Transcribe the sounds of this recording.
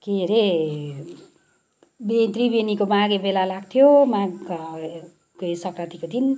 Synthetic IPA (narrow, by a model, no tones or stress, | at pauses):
keɾe | bet̪ribenikomaɡebelalaɡ̚t̪ʰjomaɡ | kesʌkrat̪ikod̪ʱin